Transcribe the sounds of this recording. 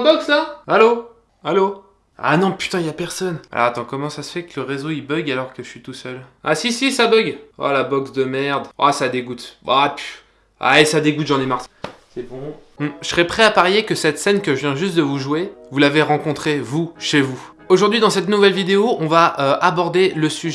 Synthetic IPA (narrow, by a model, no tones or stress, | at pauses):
bɔkslaalo | alo | a̰nɔ̃py̥t̪ɛ̃iljapɛʁsɔna̰ɔ̰at̪ɑ̃kɔmɑ̃sasə̥fɛkləʁezoibœɡalɔʁkəʒəʃɥit̪usœla̰sisisabœɡa̰labɔksd̪əmɛʁd̪ʔa̰sad̪eɡut̪a̰py̥ | a̰ɛsad̪eɡut̪ʒɑ̃nɛmaʁsɛbɔ̃ | m̩səsəʁɛpχɛapaʁjekəsɛt̪sɛnkəʒəvjɛ̃ʒyst̪̚d̪əvuʒuevulaveʁɑ̃kɔ̃t̪χevuʃevu | oʒuʁd̪ɥid̪ɑ̃sɛt̪nuvɛlvid̪eoʔɔ̃vaʔøʔabɔʁd̪eləsyʒ